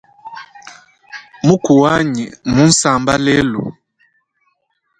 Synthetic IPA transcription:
mu˦ku˨wa˦ɲi˨mu˦n̩˦sa˨mba˦lɛ˦lṵ˨

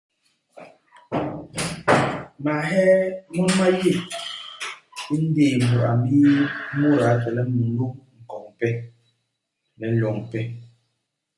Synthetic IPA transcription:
ma˨ɦɛ˦mu˦ma˦je˦˨ | i˦n̩˦deː˦˨m̩˨bə˨ʔa̰˨mbi˦mu˦ɾa˨tɛ˨lɛ˦mu˨n˦u˦mŋ̩˨kɔ˨ŋ˨pɛ˦ | lɛ˨˦lɔ˨ŋ˨pɛ˦

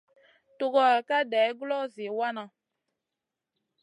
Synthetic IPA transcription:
to˨kɔ˨a˨ka˦dɛː˨˦ɡlɔ˦˨ze˨wa˦nã˨

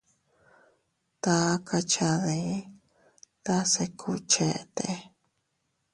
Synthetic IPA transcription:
t̪a˧˦kʰa˧t͡ʃa˧ði˧˦ | t̪a˦se˧kʰu˧t͡ʃe˧t̪e˧˦

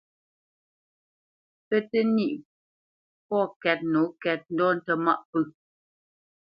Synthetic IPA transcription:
pə˦tə˦ni˦ʔ | pɔ˦˨kɛ˦t̚no˨˦kɛ˦t̚n̩˦dɔ˦˨n̩˦tə˦ma̰˦˨ʔpə˦

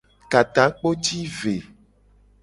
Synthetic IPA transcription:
ka˨t̪ã˨˦k͡po˦t͡ʃi˦ve˨

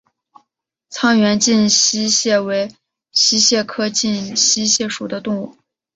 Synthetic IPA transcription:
t͡sʰɑ˥ŋɥɛ˧˥nt͡ɕi˥˧nɕi˥ɕjɛ˥˩we˧˥ɪ | ɕi˥ɕjɛ˥˩kʰɤ˥t͡ɕi˥˩nɕi˥ɕjɛ˥˩ʂu˨˩d̪ə˦t̪ʊ˥˧ŋu˥˩

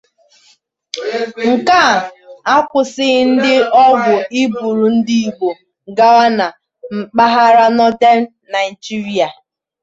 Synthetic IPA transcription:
ŋ̩˨ka˦˨a˦kʷʊ˨sɪ˦n̩˦dɪ˦ɔ˦ɡʊ˨i˦bu˨ɾu˨n̩˦di˦i˨ɡ͡bo˨ | ɡa˦wa˦na˨ | m̩˨k͡pa˦ɦa˦ɾa˦nɔ˦te˦na˨i˨d͡ʒi˦ɾi˦a˨

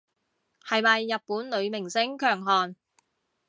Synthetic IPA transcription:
hɐ˨jmɐ˨jːɐ˨t̚puː˨˥nlɵ˨˧ɥmɪ˨˩ŋsɪ˥ŋkʰœː˨˩ŋɦɔː˨n

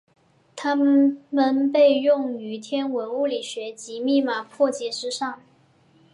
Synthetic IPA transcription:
t̪ʰa˥mmə˨npe˥˧ɪjʊ˥˩ŋy˧˥t̪ʰjɛ˥nwə˧˥nu˥˩li˨˩ɕɥɛ˧˥t͡ɕi˧˥mi˥˩ma˨˩pʰwɔ˥˧t͡ɕjɛ˥˩ʂɻ̩˥ʂɑ˥˩ŋ

